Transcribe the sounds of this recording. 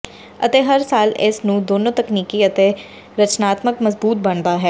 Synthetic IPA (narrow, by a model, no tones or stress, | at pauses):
ə̰t̪eːɦəɾsaːlɪ̰snũːd̪oːnõːt̪əkniːkiːət̪eː | ɾət͡ʃnaːt̪məkməzbuːt̪̚bəɳd̪aːɦɛː